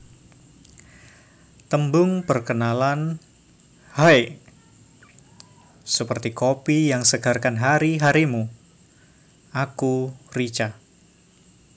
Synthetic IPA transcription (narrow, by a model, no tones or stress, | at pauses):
t̪əmbʊŋpərkənalan | haj | səpərt̪ikopijaŋsəɡarkanɦaɾiɦaɾimu | akurit͡ʃa